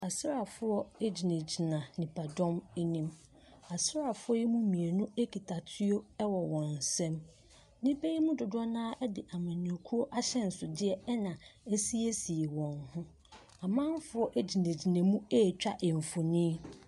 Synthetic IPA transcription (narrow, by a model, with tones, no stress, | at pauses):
a˨sɪ˦ɾa˨fʊ˦ɔ˦e˦d͡ʑi˨nẽ˨d͡ʑi˨nã˨nɪ̃˨pʰa˨dɔ̃˦me˦nĩ˦m | a˨sɪ˦ɾa˨fʊ˦ɔ˦jɛ˦mũ˦mĩ˨e˨nʊ̃˦e˦kʰi˨tʰa˨tʰɪ˦o˦ɛ˦wɔ˨wɔ̃˨n̩˨sɛ̃˦m | nĩ˦be˦i˦mũ˦dʊ˨dʊ˦ɔ˦nãː˦ʔɛ˦dɪ˨ʔa˨mã˨nĩ˨o˨kʰu˦o˦ʔa˦ɕɛ˦n̩˨sʊ˨dɪ˦ɛ˦ɛ˦nã˨ɛ˦si˦e˦si˨e˨wɔ̃˨nhʊ̃˦ | a˨mã˦ɱ˦fʊ˦ɔ˦ʔe˦d͡ʑi˨nẽ˨d͡ʑi˨nã˨mũ˦e˦˨t͡ɕᶣa˦ʔɛ˨ɱ̩˨fo˨nĩː˦